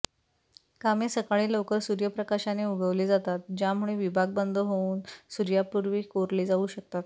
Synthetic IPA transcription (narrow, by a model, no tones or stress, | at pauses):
kamesəkaɭiːlokəɾsuɾjəpɾəkaɕaneuɡʱəʋled͡zat̪at̪̚d͡ʑjam̤uɭeʋibʱaɡ̚bənd̪ʱəɦouːnsuɾjapuɾʋiːkoɾleːd͡zauːɕək̚t̪at̪